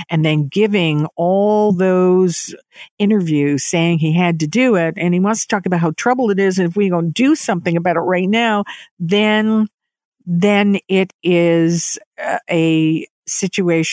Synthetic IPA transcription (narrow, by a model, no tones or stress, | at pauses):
ʔɨ̃nðɨ̃nɡɪvɪ̃ŋɔlˠðoʊz | ɪ̃ɾ̃ə˞vjʉz̥seɪɪ̃ŋiɨd̚tɨdɨɪɾ̚ɨ̃niwʌ̃nstʰɔkəbaʊt̚ɦaʊtʰɹ̥ʌbl̩ˠɨɾɪzɨ̃nɨfwiɡõʊ̃nd̥ɨsʌ̃mθɪ̃ŋɨbaʊɾɨʔ̚ɹaɪtⁿnaʊðɨ̃n | ðɨ̃nɪɾɪz | ɨ | sɪt͡ʃʉeɪʃ